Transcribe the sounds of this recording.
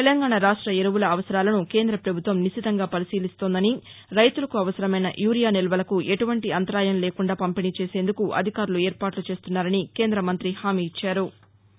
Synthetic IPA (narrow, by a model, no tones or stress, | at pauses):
t̪elɐŋɡaːɳɐɾaːʂʈɾɐeɾɐʋulɐːʋɐsɐɾaːlɐnuke̞ːnd̪ɾɐpɾɐbʱut̪ʋɐmniʃit̪ɐŋɡaːpɐɾisiːlist̪o̞ːnd̪ɐniɾɐjt̪ulɐkuɐʋɐsɐɾɐmɐjnɐ̰ʔjuːɾijaːnilɐʋɐlɐkuʔeʈuʋɐɳʈiɐnt̪ɐɾaːjɐnleːkuɳɖaːpɐmpinit͡ʃe̞ːse̞ːnd̪ukuʔɐ̰d̪ʱikaːɾulueːɾpaːʈlut͡ʃe̞ːst̪unːaːɾɐnike̞ːnd̪ɾɐmɐnt̪ɾihaːmiːt͡ʃːaːɾu